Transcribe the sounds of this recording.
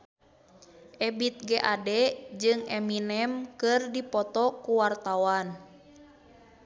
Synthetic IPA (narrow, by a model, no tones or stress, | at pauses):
ʔɛbit̪̚ɡɛʔadɛd͡ʒɨŋɛminɛmkɨrdipɔt̪ɔkuwart̪awan